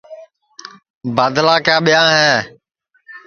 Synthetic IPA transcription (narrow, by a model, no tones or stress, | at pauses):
baːd̪laːkjaːɓɪjãːɦɛː